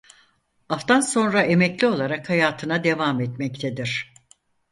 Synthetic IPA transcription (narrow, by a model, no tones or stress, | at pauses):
aft̪anso̞nɾae̞mɛclʲio̞lˠaɾakhajaːt̪ʰɯnad̪e̞vamɛt̪mɛct̪ʰed̪iɾ̥